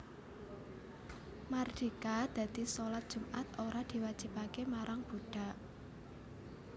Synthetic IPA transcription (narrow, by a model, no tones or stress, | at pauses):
mard̥ikad̪̥ä̤d̪̥isolat̪̚d̥ʒ̥ṳmʔat̪̚oɾad̪̥i̤wad̥ʒ̥i̤pakemaɾaŋb̥ṳɖ̥a̤ʔ